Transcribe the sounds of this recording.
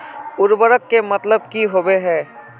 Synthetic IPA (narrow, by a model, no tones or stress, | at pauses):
ʊɾbəɾəkːemɐt̪ləb̚kiɦobeɦɛː